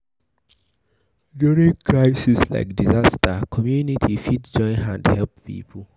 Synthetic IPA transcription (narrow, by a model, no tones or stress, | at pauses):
duɹĩŋkʰɹaɪsisla̰ɪkdizastakʰɔmjunitʰifitd͡ʒɔ̃ɪ̃nɦãndhɛlppḭːpʰul